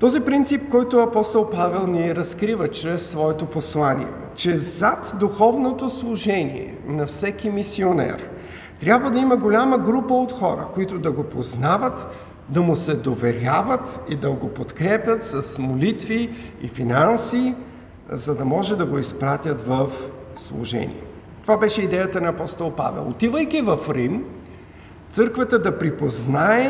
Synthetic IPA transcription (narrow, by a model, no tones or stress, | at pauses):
t̪ɔzipɾint̪sip̚kɔjt̪ʊɐpɔst̪olˠpavɛlˠniɾɐskɾivət͡ʃɾɛsːvɔɛt̪oposlˠanḭɛ̰ | t͡ʃɛzat̪d̪uxɔvnot̪oslˠʊʒɛnḭɛ̰nɐfsɛkimisionɛ̰ɾ | t̪ɾʲabvəd̪ɐiməɡolʲaməɡɾupəot̪xɔɾə̰koit̪ʊd̪ɐɡopoznavət̪ | d̪ɐmʊsɛd̪ovɛɾʲavət̪id̪ɐɡopot̪kɾɛpʲjət̪sɐsmolit̪viḭfinansi | zɐd̪ɐmɔʒɛd̪ɐɡoispɾat̪ʲət̪vəf | slˠṵʒɛ̰nʲḭɛ̰ | t̪ovabɛʃɛid̪ɛjət̪ənɐːpɔst̪olˠpa̰vɛ̰lˠot̪ivəjkivɐfɾim | t̪sɤɾkvət̪əd̪ɐpɾipoznaɛ